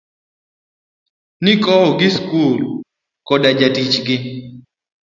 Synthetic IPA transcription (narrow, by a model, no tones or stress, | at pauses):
nɪkɔɔɡɪskul | kɔdad͡ʒatit͡ʃɡɪ